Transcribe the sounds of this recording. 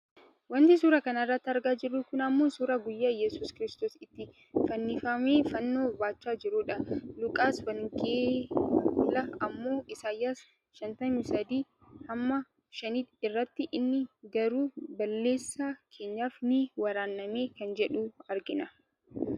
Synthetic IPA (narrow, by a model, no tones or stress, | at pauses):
wɐnt̪ɪs̬uːɾɐkɐnɐɪrːɐt̪ːɪɐɾɡaːd͡ʒɪrːʊkʊnɐmːoːsuːɾɐɡʊjːaːjɛsuːskɪɾɪst̪oːsɪt̪ːɪ | fɐnːɪfɐmeːfɐnːo̞ːbaːt͡ʃːaːd͡ʒɪɾuːᶑɐlʊkʼaːsbɐŋkeːɡʊlɐɐmːo̞ːʔɪsaːjːaːs | ʃɐnt̪ɐmɪsɐd̪iː | hɐmːɐ | ʃɐniːɪrːɐt̪ːɪʔɪnːɪɡɐɾuːbɐlːe̞ːsːɐkʰe̞ːɲːaːfnɪwɐɾaːnːɐme̞ːkɐnd͡ʒɛᶑuːɐɾɡɪnɐ